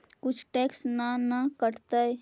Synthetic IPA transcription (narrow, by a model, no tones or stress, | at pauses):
kʊt͡ʃʰʈeksnanakəʈt̪ə